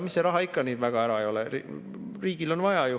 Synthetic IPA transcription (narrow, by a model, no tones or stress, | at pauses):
misːeɾɑɦɑikːɑniːd̪væɡ̥ɑæɾɑejo̞lɛḭ | riːɡ̥ilo̞nvɑjɑju